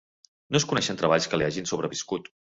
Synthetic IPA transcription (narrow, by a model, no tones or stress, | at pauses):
noskunɛʃənt̪ɾəβaʎskəliaʒinsoβɾəβiskut̪